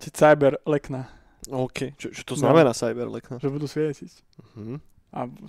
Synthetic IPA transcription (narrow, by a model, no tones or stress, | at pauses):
cɛsajbɛɾlɛkna | ɔːkʰɛt͡ʃɔt͡ʃɔ̥t̪ɔznamɛnaːsajbɛɾlɛ̰knaʒɛbud̪usʋɪɛsi | m̩hm̩ | ʔa